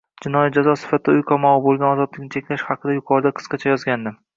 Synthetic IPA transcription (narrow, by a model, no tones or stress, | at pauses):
d͡ʒɪnɒjat̪̚d͡ʒazɒsɪ̥fat̪ʰɪd̪aʊjqʰɒmɒʁɨbolˠɡʲanɒzɒd̪lɪkʲnɪt͡ʃʰekʲlaʃhɑqʰɨd̪ajʊqʰɒɾd̪aqʰɨ̥sqɑt͡ʃʰajɒzɡʲand̪ɪ